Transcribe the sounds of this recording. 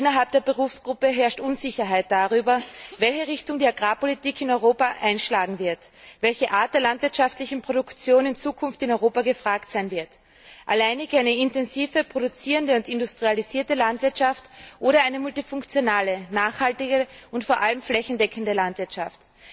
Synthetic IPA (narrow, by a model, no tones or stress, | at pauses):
ɪnɐɦalp̚d̥eːɐbəʁ̞uːfsɡ̥ʁʊpəɦɛɐʃtʔʊnzɪçɐɦaɪt̚d̥aʁyːbɐvɛlçəʁɪçtʊŋdiːaɡʁaːpolitiːkʰɪnɔʏʁ̞oːpaʔaɪnʃlaːɡŋ̩vɪɐtvɛlçəʔaːɐt̚d̥eːɐlantv̥ɪɐtʃaftlɪçn̩pʁ̥oɾʊkt͡sjoːnɪnt͡suːkʰʊnftɪnɔʏʁoːpaɡəfʁ̥aːktz̥aɪnvɪɐt | ʔa̰laɪnɪɡaɪnəɪntɛnziːfəpʁ̥oɾʊt͡siːʁəndəʊntɪndʊstʁ̥ializiːɐtəlantv̥ɪɐtʃaftʔoːɾɐaɪnəmʊltifʊŋkt͡sjonaːlənaːχhaltɪɡəʊntfoːɐʔaləmflɛçn̩dɛkʰəndəlantv̥ɪɐtʃaft